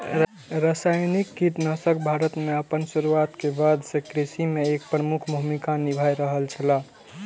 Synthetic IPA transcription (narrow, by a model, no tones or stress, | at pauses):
ɾasajnikːit̪nəsək̚bʱaɾət̪meəpənsuɾuat̪kebad̪sekɾisimeek̚pɾəmukʰbʱuɦmikanibʱajɾəɦəlt͡ʃʰəla